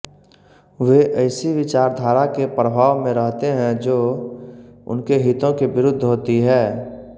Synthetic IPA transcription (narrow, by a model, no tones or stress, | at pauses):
ʋeʔɐɪsiʋɪt͡ʃaːɾd̪ʱaːɾakepɾəbʱaːʋmẽɾəɦt̪eɦɛ̃d͡ʒoː | ʊ̰nkeɦɪt̪õkeʋɪɾʊd̪ʱːɦoːt̪iɦɛː